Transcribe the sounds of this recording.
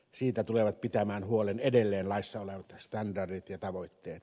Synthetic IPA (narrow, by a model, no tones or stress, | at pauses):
siːt̪æt̪uleʋɑt̪̚pit̪æmæːnhuolenedelːeːnlɑˑisːɑoleʋɑt̪st̪ɑndɑrdit̪jɑt̪ɑʋoˑit̪ːeːt̪